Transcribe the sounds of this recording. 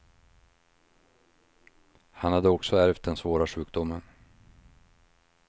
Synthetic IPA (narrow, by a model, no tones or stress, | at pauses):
hanhad̪ːəɔksɔæɾvt̪̚d̪ɛnsvoːɾaɧʉ̟ːk̚d̪ʊmːən